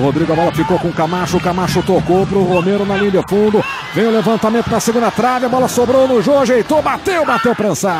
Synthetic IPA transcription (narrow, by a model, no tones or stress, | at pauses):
hod̪ɾiɡʊabɔlɐfikokõʊ̃kamaʃʊkamaʃʊt̪okopɾʊʁomeɾʊnɐlĩbɐfũnd̪ʊ | vẽj̃ʊlevɐ̃nt̪amẽnt̪ʊnɐseɡũnd̪ɐt̪ɾavjɐbɔlɐsobɾownʊʒoʒejt̪obat̪ewbat̪ewpɾɐ̃sa